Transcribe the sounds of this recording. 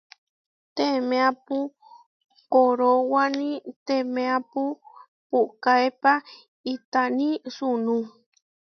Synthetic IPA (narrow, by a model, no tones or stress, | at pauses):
t̪emẽapu | koɾowanĩt̪emẽapu | pukaepa | it̪anĩsunũ